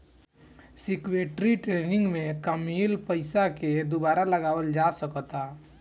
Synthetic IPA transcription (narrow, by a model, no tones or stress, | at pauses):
sɪkweːʈɾiʈɾeːnɪ̃ŋɡmẽkəmilpəɪsaked̪obaːɾaləɡaːwəld͡ʒaːsəkt̪a